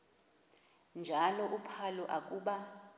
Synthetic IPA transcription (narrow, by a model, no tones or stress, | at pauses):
nd͡ʒʱalɔʔupʰalɔʔak̬ʼuːɓa